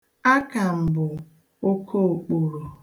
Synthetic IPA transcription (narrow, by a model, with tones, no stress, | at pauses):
a˦ka˨m̩˨bʊ˨ | o˦kʰo˦o˨k͡po˨ɾo˨